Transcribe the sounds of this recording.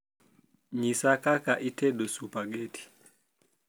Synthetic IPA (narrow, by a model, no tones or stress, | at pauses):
ɲisakakaʔitʰɛɗɔsupaɡetʰi̥